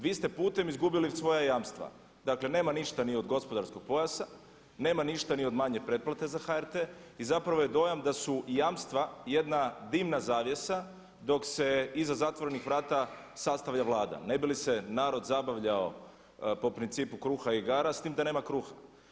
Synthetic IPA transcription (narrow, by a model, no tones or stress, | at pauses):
ʋiːst̪epuːt̪e̞mizɡubilisʋo̞jajaːmst̪ʋa̰ | d̪akle̞ne̞ːmaniʃt̪anio̞d̪ɡo̞spo̞d̪aɾsko̞ɡ̚po̞jasa | ne̞ːmaniʃt̪anio̞d̪maɲepɾe̞t̪̚plat̪e̞zaxaeɾt̪eizapɾaʋo̞jed̪o̞jamd̪asujaːmst̪ʋaje̞d̪nad̪imnazaːʋje̞sa | d̪o̞kse̞izazat̪ʋo̞ɾe̞nixʋɾaːt̪a | sast̪aʋʎaʋlˠaːd̪a̰ne̞bilise̞naːɾo̞d̪zabaʋʎao̞ | po̞pɾint̪siːpukɾuːxaiɡaːɾast̪iːmd̪ane̞ːmakɾuːxa